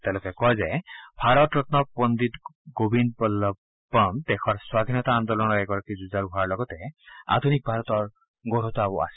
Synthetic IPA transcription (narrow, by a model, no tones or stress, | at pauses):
t̪elokekɔɦezabʱaɾɔt̪ɾɔt̪nɔpɔnd̪it̪ɡobinpɔlɔb | ɔnt̪ekʰɔɾswad̪ʱinɔt̪aːnd̪ɔlɔñɔɾɛɡɔɾɔkid͡ʒud͡ʒaɾuɦaɾlɔɡɔt̪ea̰d̪ʱunik̚bʱaɾɔt̪ɔɹ | ɡoɾut̪ɔabua̰sʰi̥